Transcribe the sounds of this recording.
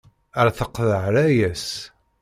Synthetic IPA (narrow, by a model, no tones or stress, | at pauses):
əɾθəqðəʕɾæjæs